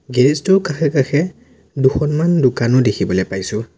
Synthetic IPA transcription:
ɡɛɹɛstɔkaxʰɛkaxʰɛ | duxɔnmandʊkanɔdekʰibɔlɛpajsʊ

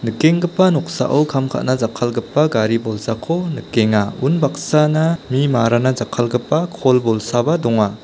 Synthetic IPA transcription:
nɯkeŋɡɯpːanɔk̚sa̰ʔawkʰamkʰa̰t̚nazakʰalɡɯpːaɡaɾibɔlsakʰonɯkːeŋaunbak̚sanamimaɾanazakʰalɡɯpːakʰɔlbɔlsabadɔŋa

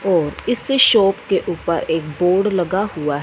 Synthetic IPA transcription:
ɔːɾɪsːeʃɔːpkeʔuːpəɾeːkboːɖlɐɡahuaɦ

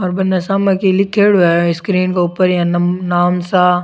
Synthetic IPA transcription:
ɔːɾbɐnːasaːmɐ̃kilɪkʰːeːɽɛɪskɾiːnkauːpəɾjãnnaːmsa

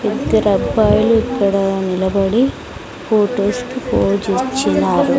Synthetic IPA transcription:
id̪ːɐɾɐbaːjluikːɐɽɐnilɐbɐɽi | pʰoːʈoːskipoːd͡ʒit͡ʃːinaːɾu

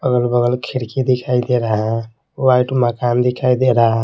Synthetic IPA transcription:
pəɡəlbəɡəlkʰiɾkid̪ikʰajd̪eɾəɦã | wajʈuməkand̪ikʰajd̪eɾəɦə̃

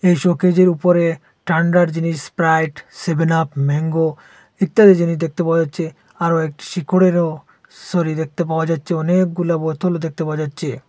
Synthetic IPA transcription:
ejʃoked͡ʑeɾupoɾe | ʈaɳɖaɾd͡ʑiniʃspɾajʈsebʱenapmeŋɡo | it̪ːad̪ed͡ʑiniʃd̪ek̚ʰt̪epawad͡ʑatːɕʰe | aɾoek̚ʈi̥ʃikʰoɽeɾo | soɾid̪ek̚t̪ep̬aoad͡ʑatːɕʰeɔnek̚ɡulabot̪ʰolod̪ek̚t̪epaoad͡ʑatːɕʰe

